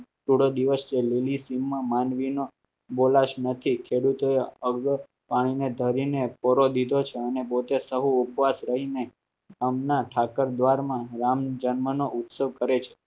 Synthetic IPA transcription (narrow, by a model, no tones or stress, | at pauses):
ʈuɽod̪iʋəst͡ʃelilisimːãmanʋino | bolaʃnət̪ʰikʰeɽut̪oeəɡ | paɽ̃ined̪ʱəɾinepɔɾod̪id̪ʱot͡ʃʰeənepot̪esəɦuːpʋasɾəɦine | ɡamnaʈʰakəɾd̪ʋaɾmãɾamd͡ʒənmənoʔʊt̪səʋkəɾet͡ʃʰe̥